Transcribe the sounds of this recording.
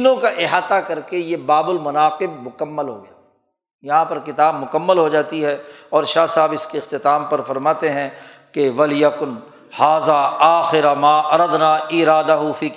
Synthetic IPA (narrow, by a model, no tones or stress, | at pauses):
nõkaʔɪɦaːt̪akɐɾkejebaːbʊlmɐnaːqɪb̚mʊkəmːəlɦo̰ɡɐjaː | jɐɦãpɐɾkɪt̪aːbmʊkəmːəlɦod͡ʒaːt̪iɦɛɔːɾʃaːsaːbɪskeɪxt̪ɪt̪aːmpɐɾfɐɾmaːt̪eɦɛ̃ | keʋɐljɐkʊn | haːzaːaːxɪɾamaːʔɐɾɐd̪naːiːɾaːd̪ɐɦʊfiː